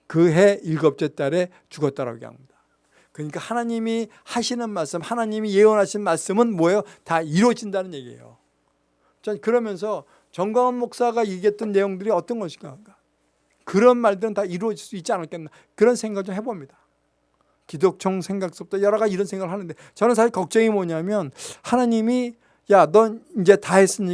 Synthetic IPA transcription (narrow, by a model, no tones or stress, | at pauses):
kɯɦe̞ilɡʌp̚t͡ɕ͈et͈aɾe̞ | t͡ɕuɡʌt͈̚aɾa̰ɡeɦa̰mɲid̥ḁ | kɯɲik͈ahanaɲimi | haɕʰinɯnmaɭs͈ɯmhanaɲimije̞onɦaɕʰinmaɭs͈ɯmɯnmʌjotaiɾwʌd͡ʑindanɯnjeɡiḛjo̰ | t͡ɕankɯɾʌmjʌns̬ʰʌ | t͡ɕʌŋɡwaŋɦanmok̚s͈aɡaiɡet̚t͈ɯnːe̞joŋdɯɾiʌt͈ʌnɡʌɕʰi̥ɡakḁ | kɯɾʌnmaɭdɯɾɯntaiɾuwʌd͡ʑiɭs͈uit̚t͡ɕ͈ianɯɭk͈enda | kɯɾʌnsʰe̞ŋɡaɡɯɭt͡ɕomɦe̞bomɲida | kidok̚t͡ɕʰoŋsʰe̞ŋɡak̚s͈uʌp̚t͈ajʌɾʌɡad͡ʑiɾʌnsʰe̞ŋɡaɡɯɭhanɯnde̞ | t͡ɕʌnɯnsʰaɕiɭkʌk̚t͡ɕ͈ʌŋimoɲamjʌnhanaɲimi | janʌind͡ʑe̞taɦes͈ɯɲi